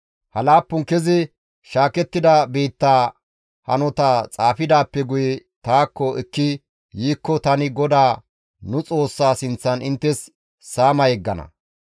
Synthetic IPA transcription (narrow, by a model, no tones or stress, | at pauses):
hɐlaːpːʊŋkɛzɪ | ʃaːkɛt̪ːɪd̪ɐbiːt̪ːaː | hɐnɔt̪at͡sʼaːfɪd̪aːpːɛɡʊjɛt̪aːkːɔʔɛkːɪ | jiːkːɔt̪ɐnɪɡɔd̪aː | nʊt͡sʼo̞ːsːaːsɪnt͡sːɐnɪnt̪ːɛsː | aːmɐjɛɡːɐnɐ̰